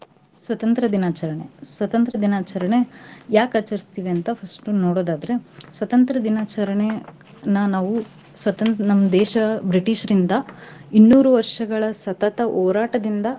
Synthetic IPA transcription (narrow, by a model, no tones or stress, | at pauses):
sʋɐt̪ɐnt̪ɾɐd̪inaːt͡ʃɐɾɐɳe̞sʋɐt̪ɐnt̪ɾɐd̪inaːt͡ʃɐɾɐɳe̞jaːkɐt͡ʃːɐɾist̪iːʋeɐnt̪ɐpʰɐsʈunoːɽoːd̪aːd̪ɐɾe̞sʋɐt̪ɐnt̪ɾɐd̪inaːt͡ʃɐɾɐɳe | nɐnaːʋu | sʋɐt̪ɐnt̪nɐmːɐd̪ɛːʃɐbɾiʈiʃɐɾind̪ɐinːuːɾuʋɐɾʂɐɡɐɭɐsɐt̪ɐt̪ɐʔoːɾaːʈɐd̪ind̪ɐ